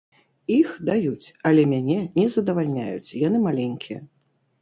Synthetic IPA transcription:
ixd̪ajut͡sʲɐlʲɛmʲanʲɛnʲɛzɐd̪ɐvalʲnʲa̰jṵt͡sʲjanɨmalʲɛnʲkʲʰijɛ̰

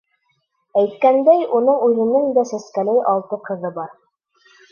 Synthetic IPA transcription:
æjt̪̚kænd̪æjunɤɴʉðɘ̆nɘŋd̪æsæskælɘjʔɑlˠt̪ɤqɤ̆ðɤbɑɾ

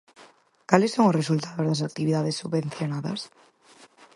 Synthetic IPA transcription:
kalesːoŋosresult̪aðozðas̬ak̚t̪iβiðaðesːuβbẽn̟θjonaðɐ̰s

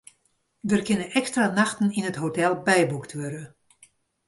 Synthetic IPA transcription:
dərkɪnəʔɛkstranaxtən̩inətɦotɛlˠbɛjbuktʰʋøɾə

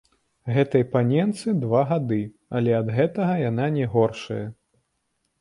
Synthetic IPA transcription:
ɣɛt̪ɐjpanʲɛnt̪sɨd̪vaɣad̪ɨ | ɐlʲɛɐd̪ɣɛt̪ɐɣɐjananʲɛɣɔrʂɐ̰jɐ

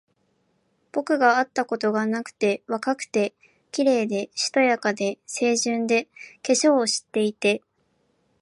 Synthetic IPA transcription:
b̥o̞kɯ̟ɡaat̪ːako̞t̪o̞ɡanakɯ̟̥t̪e̞βakakɯ̟̥t̪e̞ | kʲiɾe̞ːd̪e̞ɕi̥t̪o̞jakad̪e̞se̞ːʑɨ̃nd̪e̞ke̞ɕo̞ːɕi̥t̪ːe̞it̪e̞

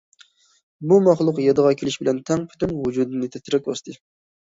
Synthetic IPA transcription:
bumɑχlˠʊqjɑd̪əʁɑkʲʰelɪʃbɪlɛnt̪ʰɛŋpʰy̥t̪ʰynwud͡ʒud̪ɨnɨt̪ʰɛt̪ɪɾɛk̚ʲbɑst̪ʰɨ

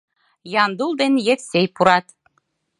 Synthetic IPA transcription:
jɑnd̪ulˠd̪enjet̪sejpuɾɑt̪

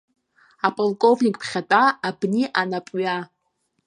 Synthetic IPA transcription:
apʼolkʼo̞vnʲikʼpʰχʲatʼaːbniʔanapʼɥa

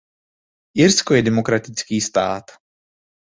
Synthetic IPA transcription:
ʔɪɾskojɛdɛmo̞kɾat̪ɪt͡skiːst̪a̰ːt̪

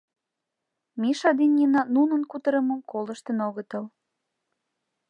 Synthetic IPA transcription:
miʃɑd̪inʲːinɑnunə̆nkut̪əɾə̆mə̆mkolə̆ʃt̪ənoɣət̪əl

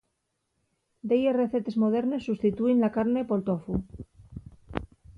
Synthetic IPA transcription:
d̪ejereθet̪e̞zmo̞ð̞eɾne̞sːust̪it̪uinlakaɾne̞po̞lt̪ofu

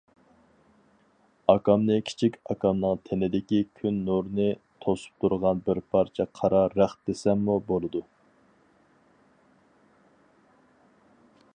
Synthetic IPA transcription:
ɑkɑmnɨkʲʰi̥t͡ʃʰikʲɑkɑmnɨŋt̪ʰenɪd̪ɪkʲikʲʰynːoɾnɨt̪ʰosu̥p̚t̪ʰuɾʁɑnbɪɾpʰɑɾt͡ʃʰɛqʰɑɾɑɾæχd̪̥esɛmːubolˠɨd̪u

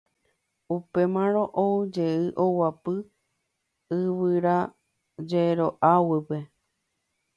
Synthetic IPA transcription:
upe̞mãɾ̃õʔod͡ʒe̞ɨʔowapɨ | ɨʋɨɾa | d͡ʒeɾoʔawɨpe

